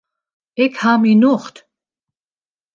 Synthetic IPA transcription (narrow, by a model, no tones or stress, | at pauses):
ɛkʰhaminuχt̪